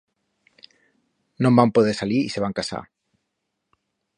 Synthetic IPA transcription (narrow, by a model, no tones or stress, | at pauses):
nõmbampoð̞esaliɾiseβ̞aŋkasa̰